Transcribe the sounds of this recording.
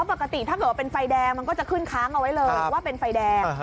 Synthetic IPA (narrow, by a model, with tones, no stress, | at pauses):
pa˨˩ka˧t̪i˨˩t̪ʰa˥˩ɤː˨˩t̚waː˥˧e˧nfa˧jdɛː˧ŋma˧nkɔː˥˩t͡ɕa˨˩kʰɯ˥˩nkʰaː˦˥ŋʔa˧wa˦˥jlɤː˧a˨˩waː˥˩pe˧nfa˧jdɛː˧